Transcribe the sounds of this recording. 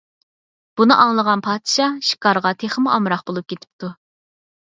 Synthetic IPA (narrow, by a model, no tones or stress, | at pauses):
b̥unɨʔɑŋlˠəʁɑnpʰɑːd̪ɨʃɑʃi̥kʰɑɾʁɑt̪ʰeχəmuʔɑmɾɑχbolˠup̚kʲʰet̪ʰɪ̥p̚t̪ʰu